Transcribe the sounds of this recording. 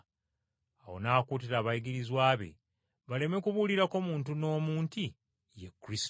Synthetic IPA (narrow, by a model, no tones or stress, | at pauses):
awo̞̰naːkuːt̬iɾaːβajiɡiɾizwaːβe̞̰ | βale̞me̞kuβuliɾako̞muːnt̬uno̞ːmuːnti | jekːɾis